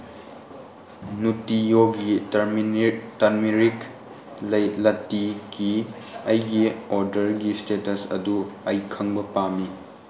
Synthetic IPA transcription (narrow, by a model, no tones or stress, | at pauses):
nutijoɡi | tɐɾmiɾik | lɐtiɡiɐjɡioɾdɐɾɡistetɐsɐ̰duɐjkʰɐŋbɐpami